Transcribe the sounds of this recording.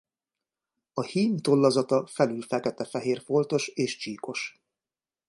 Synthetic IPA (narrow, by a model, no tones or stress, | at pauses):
ɒhiːnt̪o̞lːɒzɒt̪ɒfɛlylfɛkɛt̪ɛfɛɦeːrfo̞lt̪o̞ʃeːʃt͡ʃiːko̞ʃ